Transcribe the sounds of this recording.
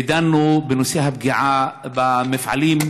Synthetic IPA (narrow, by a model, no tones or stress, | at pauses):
d̪anːubɪnʊsihab̚ɡiʕabɪmafʕa̰liːm